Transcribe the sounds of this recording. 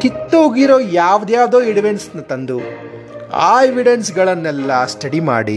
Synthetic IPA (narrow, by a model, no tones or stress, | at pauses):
k̪it̪ːuuɡiɾoːjaːʋd̪jaːʋd̪oːiɽiʋensnɐt̪ɐnd̪u | a̰ːeʋiɽensɡɐɭɐnːɛlːɐsʈɐɽima̰ːɽḭ